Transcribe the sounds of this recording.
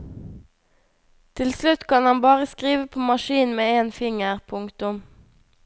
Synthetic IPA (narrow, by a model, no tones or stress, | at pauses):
t̪ʰɪlslʉt̪kʰɑnhɑnbɑːʁəskʁiːʋəpʰoːmɑʃiːnmeːeːnfɪŋəʁpʰʊŋkt̪ʊm